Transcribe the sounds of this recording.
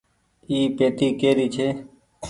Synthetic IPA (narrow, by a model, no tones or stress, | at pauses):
iːpeːt̪iːkeːɾiːt͡ʃʰeː